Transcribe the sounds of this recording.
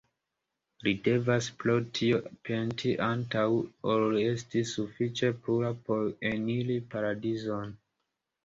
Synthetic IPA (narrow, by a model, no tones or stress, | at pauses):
lide̞vasplo̞tʰiopʰe̞ntʰiʔantawollie̞stisufit͡ʃe̞puɾapo̞ɾenilipaɾadizo̞n